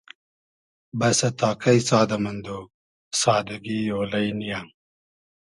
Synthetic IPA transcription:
bɐsɐt̪ʰɑːkʰɐjsɑːd̪ɐmɐnd̪o | sɑːd̪ɐɡijoːlɐjnijaːŋ

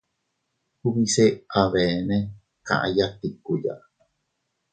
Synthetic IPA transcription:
huβiseaβene | ka̰ʔa̰jat̪ikuja̰ʔ

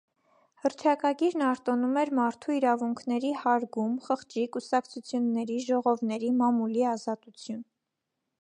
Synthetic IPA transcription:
həɾt͡ʃ̪ʰɑkɑɡiɾnɑɾt̪ɔnumɛɾmɑɾt̪ʰuiɾɑvuŋkʰnɛɾihɑɾɡumχəχt͡ʃikusɑkt͡sʰut͡sʰjunːɛɾiʒɔʁɔvnɛɾimɑmuliɑzɑt̪ut͡sʰjun

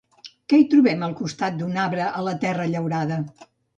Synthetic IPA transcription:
kɛit̪ɾuβɛməlˠkust̪at̪̚d̪unaβɾəʔələt̪ɛrəʎəwɾaðə

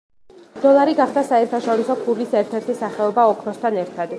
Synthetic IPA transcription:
d̪̥ɔlˠaɾiɡaχd̪asaɛɾt̪ʰaʃɔɾisɔkʰuɾlisɛɾt̪ʰɛɾt̪ʰisaχɛɔbaɔkʰɾɔst̪ʰanɛɾt̪ʰad̪

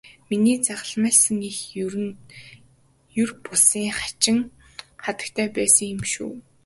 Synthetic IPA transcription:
miniːt͡saʁə̆ɮmæːɮsə̆ŋix | jɵrpʊsiːŋχḁt͡ɕɪ̆ŋ | χat̪ə̥̆k̚t̪ʰæːpæːsə̆ŋjʊ̆mʃṵː

